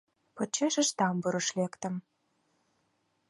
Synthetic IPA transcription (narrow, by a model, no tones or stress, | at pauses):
pɤ̆t͡ɕːeʃɘ̆ʃt̪ɑmbuɾə̆ʃlekt̪ə̆m